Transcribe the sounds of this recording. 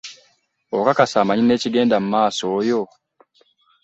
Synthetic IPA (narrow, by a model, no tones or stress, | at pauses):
okakasaːmaɲine̞ːciɡe̞ːndamumaːsoːjo